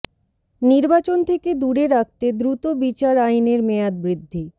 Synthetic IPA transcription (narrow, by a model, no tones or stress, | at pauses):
niɾbat͡ɕont̪ʰeked̪uɾeɾak̚t̪ed̪ɾut̪obit͡ɕaɾajneɾmead̪̚bɾid̪ʱːi